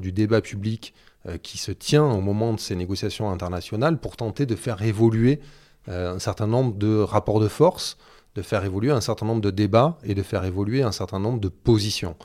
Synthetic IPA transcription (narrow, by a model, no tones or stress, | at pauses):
d̪yd̪ebapʰyblik | kʲʰisət̪jɛ̃omɔmɑ̃d̪əseneɡɔsjasjɔ̃ɛ̃t̪ɛʁnasjɔnalpuʁt̪ɑ̃t̪ed̪əfɛʁevɔlɥe | øɛ̃sɛʁt̪ɛ̃nɔ̃bʁəd̪əʁapɔʁd̪əfɔʁs | d̪̥əfɛʁevɔlyeɛ̃sɛ̃ʁt̪ɛ̃nɔ̃bʁd̪əd̪ebaed̪əfɛʁevɔlɥeɛ̃sɛ̃ʁt̪ɛ̃nɔ̃bʁəd̪əpozisjɔ̰̃